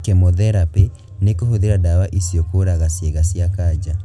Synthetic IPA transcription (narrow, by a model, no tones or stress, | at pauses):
kɛmoðɛɾape | nekohoðeɾadawaʔisjɔkoɾaɣasjeɣasjakaːd͡ʑa